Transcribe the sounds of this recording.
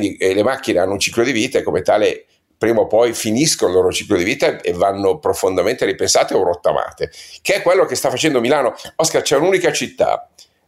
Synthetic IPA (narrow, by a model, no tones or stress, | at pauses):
nd̪ilemakːineanːount͡ʃiklod̪iviːt̪aekomet̪aːle | pɾiːmopɔjfiniskonolːoːɾot͡ʃiklod̪iviːt̪aevːanːopɾofond̪ament̪eɾipensaːt̪eorot̪ːa̰ma̰ːt̪ekeɛkːwelːokest̪afːat͡ʃɛnd̪omilaːnoɔskart͡ʃɛunuːnikat͡ʃit̪ːa̰